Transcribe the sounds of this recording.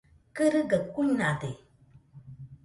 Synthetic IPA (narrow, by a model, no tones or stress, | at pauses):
kəɾɨɡəkuɲnade